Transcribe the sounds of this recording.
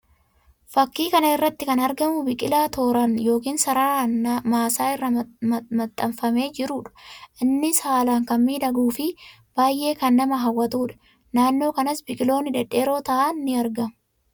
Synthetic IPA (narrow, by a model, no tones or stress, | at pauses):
fɐkːiːkɐnɐɪrːɐt̪ːɪkɐnɐɾɡɐmʊbɪkʼɪlaːt̪o̞ːɾɐnjo̞ːkiːnsɐɾaːmaːsaːɪrːɐmɐmɐt̪ʼːɐmfɐme̞ːd͡ʒɪɾuːᶑɐ̥ʔɪnːɪsaːlaːŋkɐmːiːᶑ̪ɐɡuːfɪ | b̥aːjʔe̞ːkɐnːɐmɐɦɐwːɐt̪uːᶑɐ̥ | naːnːo̞ːkɐnɐsbɪkʼɪlo̞ːnɪd̪ɛᶑe̞ːɾo̞ːt̪ɐʔaːɪɐɾɡɐmʊ